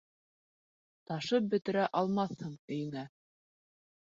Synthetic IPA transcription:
t̪ɑʃɤp̚bɵ̆t̪ɘ̆ɾæʔɑlˠmɑθhɤɴɵ̆jɘ̆ŋæ

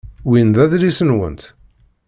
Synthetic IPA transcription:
winðæðɾisənwə̰nt̪

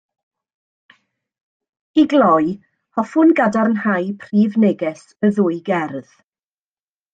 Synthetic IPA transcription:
iɡlɔj | hɔfʊnɡadaɾənhajpʰriːvnɛɡɛs | əðʊɨɡɛrð̥

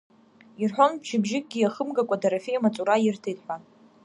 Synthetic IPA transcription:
irħʷᶣonbʒɪbʒɪkʼɡʲiaχəmɡakʷʼadaɾafejamat͡sʼuɾajɪrtʰejtʼħʷan

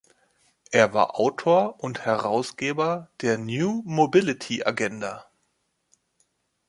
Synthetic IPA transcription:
ʔeːɐva̰ːɐʔaʊtʰoːɐʔʊnthɛʁaʊsɡ̥eːbɐd̥eːɐnjuːmobɪlɪtʰiʔa̰ɡɛnda

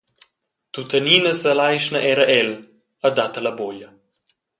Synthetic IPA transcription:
t̪ut̪ɐninazɐlajʃnaʔɛɾaʔɛl | ɐd̪at̪ɐlaboːlja

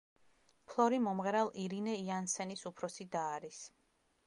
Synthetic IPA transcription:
pʰlˠɔɾimɔmʁɛɾalˠʔiɾinɛiansɛnisupʰɾɔsid̪aːɾis

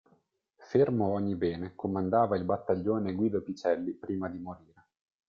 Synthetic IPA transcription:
fermoɔɲːibɛːnekʰomand̪aːvailbat̪ːaʎːoːneɡwiːd̪opit͡ʃɛlːipɾiːmad̪imoɾiːɾe

